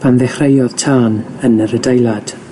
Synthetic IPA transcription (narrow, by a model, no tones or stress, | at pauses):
pʰanðɛχrejɔð̥tʰaːnənəɾədejlˠad̥